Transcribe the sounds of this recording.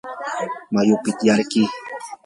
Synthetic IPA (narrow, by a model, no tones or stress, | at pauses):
majʊkɪt̪jaɾki